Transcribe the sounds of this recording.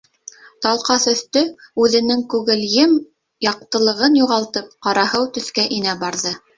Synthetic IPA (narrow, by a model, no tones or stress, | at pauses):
t̪ɑlˠqɑθɵ̆θt̪ɵʉðɘ̆nɘŋkʉɣɘ̆ljɘm | jɑq̚t̪ɤ̆lˠɤ̆ʁɤnjuʁɑlˠt̪ɤp̚qɑɾɑhɤwt̪ɵ̆θkæʔinæbɑɾðɤ